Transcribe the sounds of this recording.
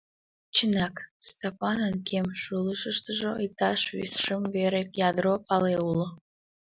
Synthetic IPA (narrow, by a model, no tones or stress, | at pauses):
t͡ɕənɑkst̪opɑnənkemʃulˠəʃəʃt̪əʒoik̚t̪ɑʃβḭsʃəmveɾekjɑd̪ɾopɑleulo